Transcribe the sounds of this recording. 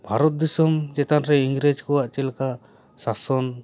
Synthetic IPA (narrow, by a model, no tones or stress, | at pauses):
bʱaɾɔt̪̚d̪isɔmd͡ʒɛt̪anɾɛiŋɡɾɛd͡ʒkɔwaʔt͡ʃɛlka | sasɔn